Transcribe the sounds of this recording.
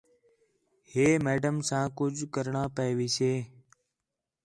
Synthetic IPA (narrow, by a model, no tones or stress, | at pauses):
heːmeːɖəmsãːkʊd͡ʒʱkəɾɳaːpəeʋiːseː